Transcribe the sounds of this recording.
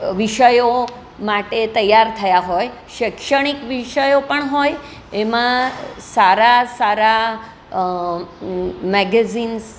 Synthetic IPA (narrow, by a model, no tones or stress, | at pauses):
ʋiʃəjo | maʈet̪əjaɾt̪ʰəjaɦoj | ʃikʂəɳ̃ikʋiʃəjopəɳɦoj | emãsaɾasaɾa | mɛɡɛzins